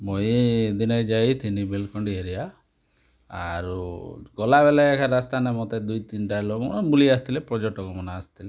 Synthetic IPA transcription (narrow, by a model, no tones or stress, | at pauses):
moid̪inajd͡ʒajit̪ʰinibelkɔɳɖieɾija | a̰ɾuɡɔlaʋɛlaɛkʰaɾast̪anemɔt̪ad̪ujt̪inʈalomɔnabulias̬t̪ilepɾɔd͡ʒekʈɔkɔmɔnaːst̪ile